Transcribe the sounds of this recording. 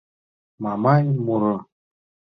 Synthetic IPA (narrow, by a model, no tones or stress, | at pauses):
mamanʲmuɾɤ